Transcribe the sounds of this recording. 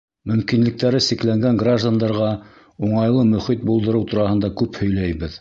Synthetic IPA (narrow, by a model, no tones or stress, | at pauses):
mɵ̆mkinlɘ̆k̚t̪æɾɘsɘ̆klæŋɡæŋɡraʒd̪and̪ɑɾʁɑ | uɴɑjlˠɤmɵ̆χit̪̚bulˠd̪ɤ̆ɾɤwt̪ŭɾɑhɤ̆nd̪ɑkʉphɵ̆jlæjβɘð